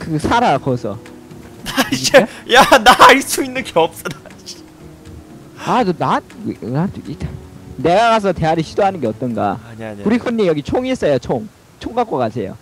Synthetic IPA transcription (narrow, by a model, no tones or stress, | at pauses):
kɯsʰaɾakʌsʰʌ̰ | naid͡ʑejanaɭs͈uinːɯnɡeʌp̚s͈ʌdaɕ | atonanaitane̞ɡakas̬ʰʌte̞aɾiɕʰidoɦanɯnɡeʌt͈ʌnɡa̰kuɾikʰunːijʌɡit͡ɕʰoŋis͈ʌjot͡ɕʰoŋ | t͡ɕʰoŋɡak͈ʌk͈asʰe̞jo̰